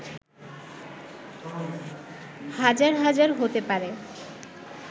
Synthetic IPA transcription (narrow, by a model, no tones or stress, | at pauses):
had͡ʑaɾɦad͡ʑaɾɦot̪epaɾe